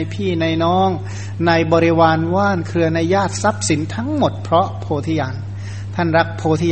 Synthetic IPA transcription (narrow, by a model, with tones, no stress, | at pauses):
jpʰiː˥˩na˧jnɔː˦˥ŋ | na˧jbɔː˧ɾi˦˥waː˧nwaː˥˩nkʰɯ˧ɐna˧jːaː˥˩t̪̚sa˦˥p̚si˩˦nt̪ʰa˦˥ŋmo˨˩t̪̚pʰɾɔ˦˥pʰoː˧t̪ʰi˦˥jaː˧n | t̪ʰa˥˩nɾa˦˥k̚pʰoː˧t̪ʰi˦j